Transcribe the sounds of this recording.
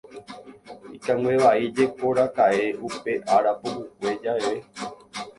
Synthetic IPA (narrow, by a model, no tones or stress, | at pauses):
ikãŋɡʷweʋaid͡ʒekoɾakaeʔupe̞ʔaɾapohuk̚ʷe̞d͡ʒaeβe